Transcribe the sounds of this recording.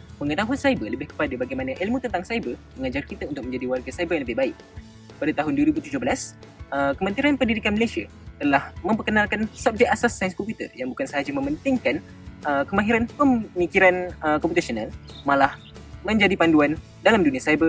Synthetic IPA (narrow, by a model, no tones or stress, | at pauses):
məŋət̪aɦuansaibələbɪhkə̥padabaɡajmanaʔilmut̪ənt̪aŋsaibəməŋad͡ʒarkit̪aunt̪ʊk̚ə̃ɲd͡ʒadiwarɡasaibəɾjaŋləbɪhbaɪʔ̚ | padat̪aɦʊnduəɾibut̪ud͡ʒʊhbəlasəkəmə̃nt̪iɾanpəndidikanməlesia̰ | t̪əlahmə̃mpərkənãlkansap̚d͡ʒɛk̚asasːajnskɔmpit̪ə̰rjaŋbukansəɦad͡ʒamə̃mbənt̪ɪŋkan | əkəmaɦiɾanpəmmikiɾanəkɔ̃mp̬ut̪asonalmãlah | mə̃ɲd͡ʒadipanduan | dalamdunĩasajbə